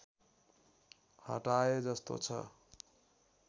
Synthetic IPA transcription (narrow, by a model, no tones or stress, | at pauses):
hʌ̰ʈajed͡zʌst̪o̰t͡sʰʌ̰